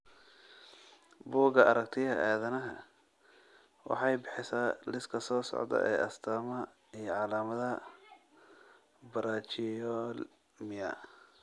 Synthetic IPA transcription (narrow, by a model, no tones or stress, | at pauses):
buːɡɐɐɾɐk̚t̪ʰɪɐʔaːðɐnɐɦɐ̰ | wɑ̰ħɑjbɪħɪsaːlɪskʰɐsɔːsɔ̰ʕd̪ɐ̰ʔɛːʔɐst̪ʰaːmɐ | ijɔʕɑlaːmɐðɐ | bɐɾʔaːt͡ʃɪjɔl | mɪjɐ̰